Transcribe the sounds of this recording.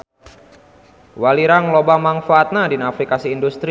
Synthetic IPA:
waliɾaŋlobamaŋfaːt̪̚nadinafɾikasiːndust̪ɾi

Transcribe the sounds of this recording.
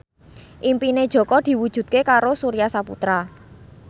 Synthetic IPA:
ʔimpined̥ʒ̥ɔ̤kɔd̪̥i̤wud̥ʒ̥ṳt̪̚kekaɾosuɾijasapṵt̪ɾa

